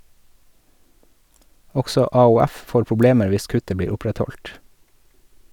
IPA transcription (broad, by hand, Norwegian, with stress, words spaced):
ˈɔɡsɔ ɑʊˈæf ˈfoːɾ pʊˈbleːməɾ ˈʋɪs ˈkʉtə ˈbiːɾ ˈʊpɾɛtˌhɔlt